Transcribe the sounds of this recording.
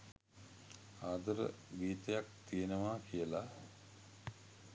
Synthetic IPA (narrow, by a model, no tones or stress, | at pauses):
aːd̪əɾə̰ɡiːt̪əjak̚t̪ijenəʋaːkijəla